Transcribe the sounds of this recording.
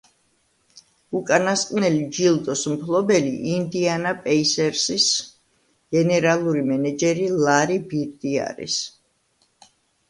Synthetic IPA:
ukʼanasqʼnɛlid͡ʒilˠd̪ɔsmpʰlˠɔbɛlḭʔind̪ianapʼɛisɛɾsis | ɡ̥ɛnɛɾalˠuɾimɛnɛd͡ʒɛɾilˠaɾibiɾd̪ia̰ɾḭs

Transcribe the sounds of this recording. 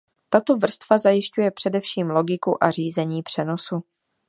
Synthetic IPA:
t̪at̪o̞vr̩st̪vazajɪʃcujɛpr̥ɛdɛfʃiːmlo̞ɡɪkuʔar̝iːzɛɲiːpr̥ɛno̞su

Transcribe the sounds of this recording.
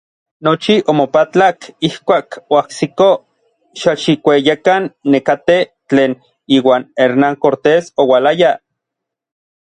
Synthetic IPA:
not͡ʃiʔomopat͡ɬakihkʷaːkoahsiko | ʃaʃikʷejekanːekat̪et͡ɬeːn | iːwaːneɾnaŋkoɾt̪esowalaja

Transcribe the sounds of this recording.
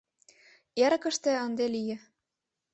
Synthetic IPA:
jæɾɤ̆kɤ̆ʃt̪ĕɤ̆nd̪elijɘ̆

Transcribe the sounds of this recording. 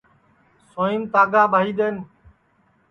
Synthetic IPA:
soːiːmt̪aːɡaːbʱaːiːɗ̪eːn

